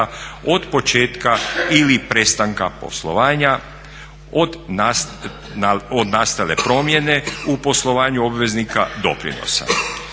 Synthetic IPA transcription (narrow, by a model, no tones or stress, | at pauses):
aod̪po̞t͡ʃe̞ːt̪kailipɾe̞st̪aŋkapo̞̰slˠo̞̰ʋaːɲa | od̪ | od̪naːst̪alepɾo̞ːmje̞ne̞upo̞slˠo̞ʋaːɲuobʋe̞znikʰa̰d̪o̞pɾḭno̰sa̰